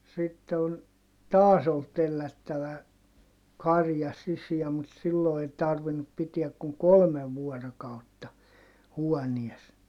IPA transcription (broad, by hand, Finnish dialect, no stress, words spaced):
sitːe on tɑːs ol telːætːæʋæ kɑrjɑ sisiæ mut silːo ei tɑrʋinːup pitiæk kuŋ kolmeʋ ʋuɔrokɑutːɑ huɔnies